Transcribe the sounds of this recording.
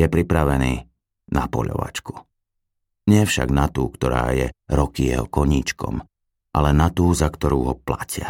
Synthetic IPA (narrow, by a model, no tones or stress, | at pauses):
jɛpɾipɾaʋɛniː | napɔʎɔ̰ʋa̰t͡ʃku̥ | ɲɪɛfʃa̰ɡnat̪uːkt̪ɔɾa̰ːjɛɾɔkijɛɦɔkɔɲiːt͡ʃkɔ̰m | ʔalɛnat̪uːzakt̪ɔɾuːɦɔplacɪa